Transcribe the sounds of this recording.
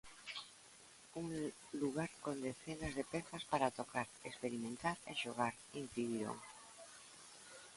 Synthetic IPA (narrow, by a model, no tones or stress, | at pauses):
uŋ | luɣaɾkond̪eθenazðepeθaspaɾat̪okʰaɾekspeɾimẽnt̪aɾeʃoɣ̞aɾ | in̟θiðiɾo̰ŋ